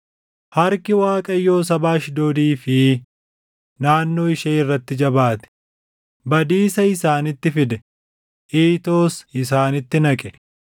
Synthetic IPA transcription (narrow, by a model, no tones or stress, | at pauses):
hɐɾkɪwaːkʼɐjːo̞ːs̬ɐbaːʃd̪oːd̪iːfɪ | naːnːo̞ːɪʃɐɪrːɐt̪ːɪd͡ʒɐbaːt̪ɛ̥ | bɐd̪iːsɐɪsaːnɪt̪ːɪfɪd̪ɛ | ʔiːt̪o̞ːsɪs̬aːnɪt̪ːɪnɐkʼɛ̥